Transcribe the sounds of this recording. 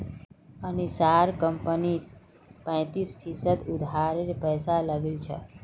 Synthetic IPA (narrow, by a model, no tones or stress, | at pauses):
añisaɾkəmpəniːt̪ | pə̃j̃t̪iːsfisəd̪ud̪ʱaɾeɾpəjsalaɡilt͡ɕʰḛ